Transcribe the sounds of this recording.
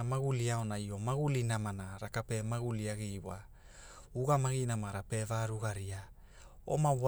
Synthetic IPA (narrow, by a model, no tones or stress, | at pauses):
amaɡuliaonaio̞maɡulinamanaɾakapemaɡuliaɡijwa | uɡamaɡinamaɾapevaɾuɡaɾia | o̰maβ